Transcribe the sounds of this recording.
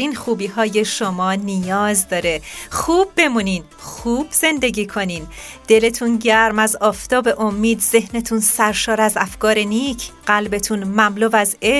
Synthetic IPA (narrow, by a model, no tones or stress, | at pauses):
ɾiːnxuːbiːɦɒːje̞ʃomɒːnijɒːzd̪ɒːɾe̞xuːbːe̞muniːn | xuːb̥z̥e̞nd̪e̞ɡiːkʰo̞niːnd̪̥e̞le̞t̪ʰunɟæɾmæzɒːft̪ʰɒːbe̞ʔomːiːd̪ze̞ɦne̞t̪ʰunsæɾʃɒːɾæzæfkɒːɾeniːcʰɢ̥ælbe̞t̪ʰunmæmloːvæze